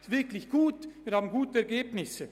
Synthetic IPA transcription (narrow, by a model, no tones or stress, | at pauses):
tv̥ɪɐklɪçɡ̥uːtv̥iːɐhaːbmn̩ɡuːtəɛɐɡeːbnɪsə